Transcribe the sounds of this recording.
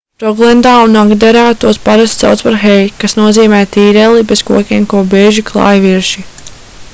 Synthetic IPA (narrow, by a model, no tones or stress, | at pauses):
tɾɔɡlˠɛnd̪aːunaɡd̪ɛɾaːt̪uɔspaɾast̪sɛ̰wt̪spaɾxɛjkasnuɔziːmɛːt̪iːɾɛlˠibez̥kuɔkʲiɛmkuɔbeːʒiklˠɑ̰ːjviɾʃi